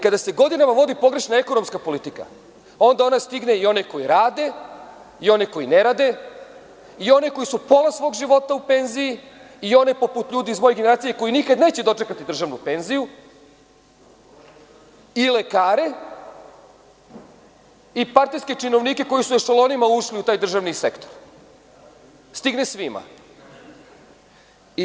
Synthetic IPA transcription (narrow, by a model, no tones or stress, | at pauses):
kad̪ase̞ɡo̞d̪inamaʋo̞d̪ipo̞ɡɾe̞ʃnae̞ko̞no̞mskapo̞lit̪ika̰ | o̞nd̪ao̞nast̪iɡne̞io̞neko̞jiɾaːd̪e̞ | io̞neko̞ine̞ɾad̪e̞ | io̞neko̞isupo̞lasʋo̞ːɡʒiʋo̞t̪aupe̞nziji | io̞nepo̞put̪ʎuːd̪iizmo̞jeɡeneɾaːt̪sijeko̞jinikad̪ne̞ːt͡ɕed̪o̞t͡ʂe̞kat̪id̪r̩ʒaʋnupe̞nziju | ile̞kaːɾe̞ | ipaɾt̪ijske̞t͡ʃino̞ʋnike̞ko̞jisueʃolˠo̞nimauʃliut̪aːjd̪r̩ʒaʋnise̞kt̪o̞ɾ | st̪iɡnesʋima̰